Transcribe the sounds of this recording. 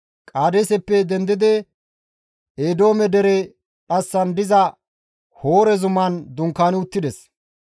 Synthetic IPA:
kʼaːd̪esɛpːɛd̪ɛnd̪ɪd̪ɛ | eːd̪o̞ːmɛd̪ɛɾɛ | ᶑɐsːɐnd̪ɪzɐ | hoːɾɛzʊmɐnd̪ʊŋkːaːnɪʊt̪ːɪd̪ɛs

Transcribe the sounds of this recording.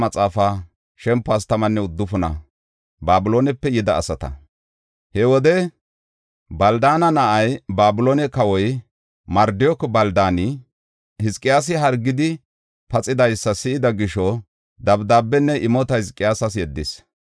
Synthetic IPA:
mɐt͡sʼaːfa | ʃɛmpːaːst̪ɐmɐnːɛʊd̪ːʊfʊnɐ̰ | baːbʊloːnɛpːɛjɪd̪ɐːsɐt̪ɐ̰ | hɛwɔd̪ɛ | bɐld̪aːnɐnɐʔɐjbaːbʊloːnɛkɐwɔj | mɐɾd̪ɪjɔkbɐld̪aːnɪ | hɪskʼːɪjaːs̬ɪɦɐɾɡːɪd̪ɪ | pɐt͡sʼɪd̪ɐjsːɐsɪɪd̪ɐɡɪʃɔ | d̪ɐbd̪aːbːɛnːɛʔɪmɔt̪ɐhɪskʼːɪjaːsɐsjɛd̪ːɪs

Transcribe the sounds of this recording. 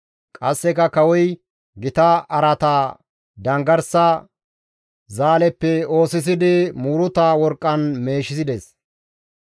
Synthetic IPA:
kʼɐsːɛkɐkɐwɔj | ɡɪt̪ɐɐɾɐt̪aː | d̪ɐŋɡɐɾsɐ | zaːlɛpːɛo̞ːsɪs̬ɪd̪ɪmuːɾʊt̪aːwɔɾkʼːɐnme̞ːʃɪsɪd̪ɛs

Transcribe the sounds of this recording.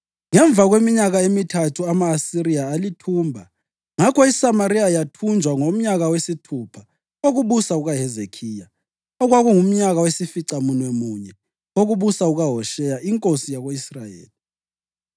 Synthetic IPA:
ŋɛɱb̪vʱaɣwemiɲaɣaemitʰatʰuamaːsiɾijaːlitʰuːmbʱa | ŋakʰɔisamaɾiajatʰund͡ʒʱwaŋom̩ɲaɣawesitʰupʰa | oɣuβusauɣaɦɛzekʰiːja | ɔɣwaɣuŋum̩ɲaɣawesifiǀamunwɛmuɲɛ | oɣuβusauɣaɦɔʃɛjaʔiŋkʼosijaɣoisrajḛːli

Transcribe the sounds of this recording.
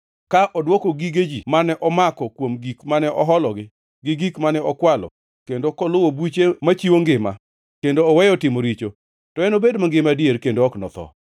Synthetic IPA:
kaʔɔdwɔkoɡiɡed͡ʒimanɛʔɔmakɔkwomɡikmanɛʔɔɦɔlɔɡɪ | ɡɪɡikmanɛɔkwalɔ̰ | kendokɔlʊwobut͡ʃemat͡ʃiwoŋɡɪma̰ | kendoːwɛjɔtɪmoɾit͡ʃo | tɔɛnobedmaŋɡɪmadjeɾkendoɔknɔt̪ɔ̰

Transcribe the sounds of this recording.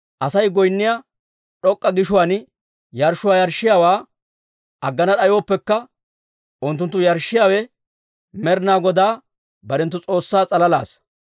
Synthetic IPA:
ʔɐsɐjɡɔjnːɪja | ɗɔkʼːɐɡɪʃʊwaːn | jɐɾʃʊwaːjɐɾʃːɪjaːwaː | ɐɡːɐnɐɗɐjo̞ːpːɛkːɐ | ʔʊnt̪ːʊnt̪ːʊjɐɾʃːɪjaːwɛ | mɛɾnaːɡɔd̪aː | bɐɾɛnt̪ːʊt͡sʼo̞ːsːaːt͡sʼɐlɐla̰ːs

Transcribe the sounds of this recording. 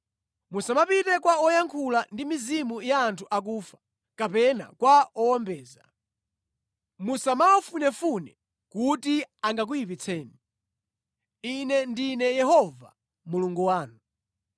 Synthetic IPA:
musamapitɛkwaɔjaŋkʰulandimizimujaːntʰuʔak̬uːfḁ | kapɛna̰kwaɔwɔmbɛːza | musamaɔfunɛfunɛ | kutiaŋɡak̬ujip̬it͡sʰɛːni | inɛndinɛjɛhɔva̰ | muluŋɡuwaːnu

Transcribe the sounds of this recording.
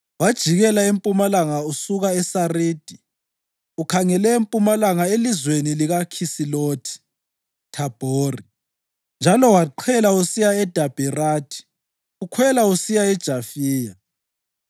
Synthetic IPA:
wad̥ʒ̥ʱiɣɛlaempʼumalaŋausuɣaɛsariːd̥ʱi | ukʰaŋɛlɛempʼumalaŋaelizweniliɣakʰisilotʰi̥ | tʰab̥ʱoːri | nd͡ʒʱalɔwaǃʰɛlausijaɛd̥ʱab̥ʱiraːtʰi̥ | ukʰwɛlausijaɛd̥ʒ̥ʱafiːja

